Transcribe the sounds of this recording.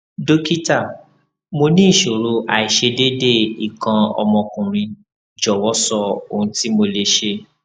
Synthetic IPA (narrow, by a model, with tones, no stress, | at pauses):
do˦ki˦ta˦˨ | mo˧nĩ˦˨ʃo˨ɾo˧a˨i˨ʃe˧de˦de˦˨i˨kã˧ɔ̰˧mɔ̃˧kũ˨ɾ̃ĩ˧ | d͡ʒɔ˨wɔ˦sɔ˧o˨ũ˦ti˦mo˧le˧ʃe˧